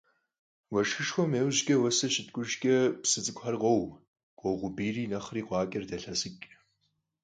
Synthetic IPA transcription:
wɐʂxɨʂxʷɔmeːwʑɡʲɐwɐsɐʃɪtʼkʷʼʊʐɡʲɐpsɨt͡sʼɨkʷʰħɐrʁɐw | ɡʷʼowʁʷʊbiːriːnɐχriːqʷɑːkʲʼɐrdɐɬɐsɨkʲʼ

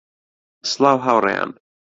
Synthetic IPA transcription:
slawɦawɾæ̰nd̥

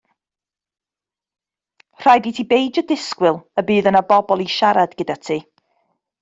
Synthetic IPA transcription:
r̥ajditʰibejd͡ʒədɪskwɪlˠəbɨːðənabɔbɔlˠiʃaɾadɡ̥ədatʰiː

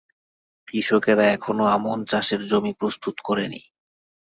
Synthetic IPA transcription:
kɾiʃokeɾaɛkʰonoamont͡ɕaʃeɾd͡ʑomipɾost̪ut̪kɔɾenḭ

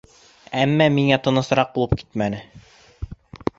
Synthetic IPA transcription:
æmːæmiŋæt̪ŏnɤ̆sɤ̆ɾɑq̚bulˠɤp̚ki̥t̪mænɘ

